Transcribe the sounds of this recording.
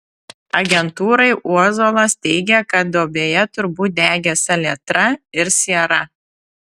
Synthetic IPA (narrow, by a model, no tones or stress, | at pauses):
ɐɡʲɛnt̪uːɾɐɪʔuɔzolˠɐst̪ʲɛɪɡʲɛkɐt̪̚d̪oːbʲeːjɛt̪ʊɾbuːt̪̚d̪ʲæːɡʲɛsɐlʲiɛt̪ɾɐɪɾsʲiɛɾɐ